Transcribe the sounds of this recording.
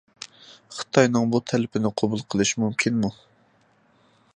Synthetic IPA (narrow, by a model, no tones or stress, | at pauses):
χə̥t̪ʰɑjnɨŋbut̪ʰɛlɪpʰɪnɪqʰobulˠqʰəlˠɨʃmumkʲʰinmu